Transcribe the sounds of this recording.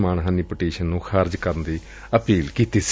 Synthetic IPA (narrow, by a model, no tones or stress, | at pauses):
maːɳɦənːiːpəʈeːʃənːũːxʰaːɾd͡ʒkəɾənd̪iː | əpiːlkiːt̪iːs